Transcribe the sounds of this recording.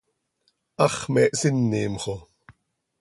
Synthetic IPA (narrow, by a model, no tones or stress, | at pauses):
ʔɑχmɛːʔsɪnːiːmχo